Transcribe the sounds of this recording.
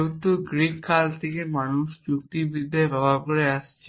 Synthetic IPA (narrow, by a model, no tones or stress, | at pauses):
ɦõnt̪uɡɾinkʰalt̪ʰekemanuʃd͡ʑuk̚t̪ibid̪ʱːababakoɾeaʃt͡ɕʰe